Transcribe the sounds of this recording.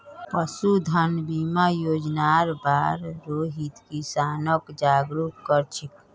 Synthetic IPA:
pəsud̪ʱənbimajoːd͡ʒnaɾbaːɾɾoːɦit̪kisaːnəkd͡ʒaːɡɾukːəɾt͡ʃʰɪk

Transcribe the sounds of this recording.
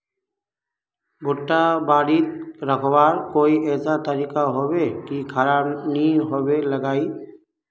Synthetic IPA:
bʱʊʈːabaːɽit̪ɾəkʰbaːɾkoːiʔɛːsat̪əɾiːkaɦoːwekikʰəɾaːbniɦoːweləɡaːi

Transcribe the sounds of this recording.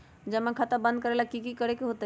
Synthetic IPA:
d͡ʒəmãkʰat̪əbə̃nd̪̚kəɾelakikikəɾekeɦot̪ə

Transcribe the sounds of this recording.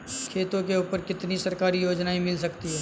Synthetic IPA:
kʰeːt̪õkeʊːpəɾkɪt̪nisɐɾkaːɾijoːd͡ʒnaɦĩmɪlsɐkt̪iɦɛː

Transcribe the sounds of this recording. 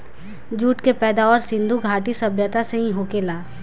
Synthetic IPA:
d͡ʒuːʈkepɛːd̪aːəɾsɪ̃nd̪ʱuɡʱaːʈisɐbʱjət̪aseɦĩɦokeːlaː

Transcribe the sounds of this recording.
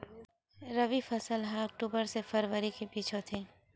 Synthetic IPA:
ɾəʋifʰəsəlɦəɔk̚ʈuːbəɾsefəɾʋəɾikepiːt͡ʃʰot̪ʰeː

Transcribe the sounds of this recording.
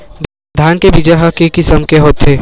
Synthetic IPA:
d̪ʱaːnkebid͡ʒaɦɐkekɪsəmkeɦoːt̪ɦeː

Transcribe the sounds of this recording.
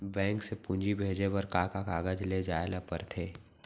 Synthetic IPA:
bɛ̃ːŋksepʊ̃nd͡ʒibʱeːd͡ʒebəɾkaːkakaːɡəd͡ʒled͡ʒaːelapəɾt̪ʰeː

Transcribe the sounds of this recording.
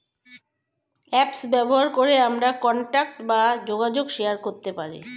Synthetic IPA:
ɛpsbɛboɦaɾkoɾeamɾakɔɳʈak̚ʈbad͡ʑoɡad͡ʑoɡʃeaɾkoɾt̪epaɾḭ

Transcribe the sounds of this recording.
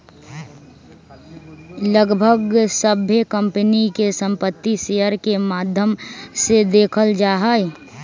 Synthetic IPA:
ləɡbʱəɡsəbʱjəkə̃mpnikesə̃mpət̪ːiseəɾkemaːd̪ʱjəmsed̪eːkʰəld͡ʒaːɦəe

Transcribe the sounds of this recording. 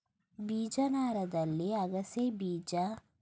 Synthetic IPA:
biːd͡ʒɐnaːɾɐd̪ɐlːiɐɡɐsebiːd͡ʒɐ

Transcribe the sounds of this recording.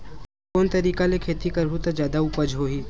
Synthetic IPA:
oːnt̪ɐɾiːkalekʰeːt̪ikɐɾɦut̪ad͡ʒjaːd̪aupəd͡ʒɦoːɦiː

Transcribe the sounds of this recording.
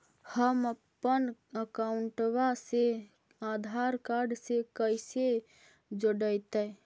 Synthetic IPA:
həməpːənəkauɳʈwase | ad̪ʱaɾkaɾɖsekəjse | d͡ʒoɖəjt̪ə

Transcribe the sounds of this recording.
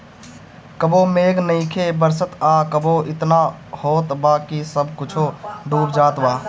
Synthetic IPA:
kəbomeːɡnəɪ̃kʰebəɾsət̪aːkəboɪt̪nahoːt̪baːkisəbʱkʊt͡ʃʰoɖ̪uːɾd͡ʒaːt̪baː

